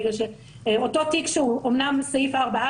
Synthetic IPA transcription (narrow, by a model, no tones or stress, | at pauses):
ʁeʃe | ototikʃeuomnamsaifaːʁbaa